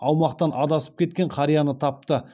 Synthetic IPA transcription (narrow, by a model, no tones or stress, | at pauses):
ɑwmɑqt̪ɑnʔɑd̪ɑsə̥p̚kʲʰe̞t̪kʲe̞ɴqʰɑɾijɑnət̪ʰɑp̚t̪ə